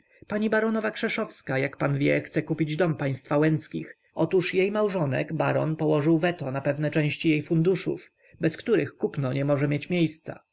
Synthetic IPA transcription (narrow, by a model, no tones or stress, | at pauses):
paɲibaɾɔnɔvakʂɛʂɔfskajakpanvʲjɛxt̪sɛkupʲid͡ʑd̪ɔmpaj̃st̪fawɛnt̪skʲḭx | ɔt̪uʂjejmawʐɔnɛ̰ɡbaɾɔnpɔwɔʐɘwvɛt̪ɔnapɛvnɛt͡ʂɛ̃w̃ɕt͡ɕijejfund̪uʂṵf | bɛskt̪uɾɘxkupnɔɲɛmɔʐɛmʲjet͡ɕmʲjejst̪sa̰